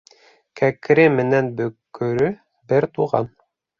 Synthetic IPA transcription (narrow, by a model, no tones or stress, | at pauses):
kækɾɘmɘ̆nænbɵ̆kːɵ̆ɾɵ | bɘɾt̪uʁɑ̰n